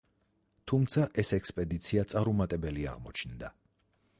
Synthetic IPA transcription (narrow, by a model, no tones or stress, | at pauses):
t̪ʰumt̪sʰaʔɛsɛkspʼɛd̪it̪sʰiat̪sʼaɾumat̪ʼɛbɛlia̰ʁmɔt͡ʃʰnd̪a